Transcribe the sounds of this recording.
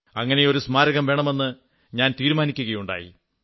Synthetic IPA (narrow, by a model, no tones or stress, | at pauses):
ɐŋːɐne̞o̞ɾusmaːɾɐɣɐmʋe̞ːɳɐme̞nːɨ | ɲaːnt̪iːɾumaːnikʲːuɣɐjuɳɖa̰ːjḭ